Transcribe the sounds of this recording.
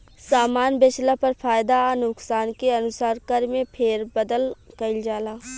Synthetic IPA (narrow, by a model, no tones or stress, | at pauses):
saːmaːnbet͡ʃlapɐɾfʰaːjd̪anʊksaːnkeɐnʊsaːɾkəɾmẽpʰeːɾbɐd̪əlkɐɪld͡ʒaːlaː